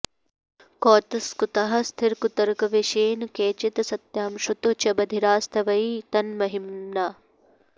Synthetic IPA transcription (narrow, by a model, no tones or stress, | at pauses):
koːt̪ɐskut̪ɐɦɐst̪ʰɪɾkut̪ɐɾkɐʋeʃeːnkeːt͡ʃɪt̪sɐt̪jaːmʃut̪ot͡ʃɐbɐd̪ʱiɾaːst̪ʰɐʋɐiːt̪ɐnmɐɦimnaː